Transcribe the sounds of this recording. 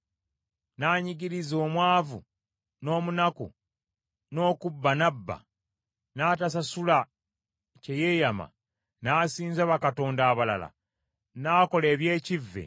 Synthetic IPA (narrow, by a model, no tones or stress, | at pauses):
naːɲiɟiɾizo̞ːmwaːvṵ | no̞ːmunakṵ | no̞ːkubːanabːa̰ | naːtas̬asula | ce̞je̞ːjama̰ | naːsiːnzaβakato̞ːndaːβala̰la̰ | naːko̞le̞ːβje̞ːcivːḛ